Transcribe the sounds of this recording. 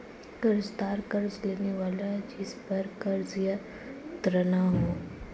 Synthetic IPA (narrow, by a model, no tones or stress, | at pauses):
kəɾzt̪aːɾkəɾzleːneʋaːlad͡ʒɪspəɾkɐɾzja | t̪ɾənaɦoː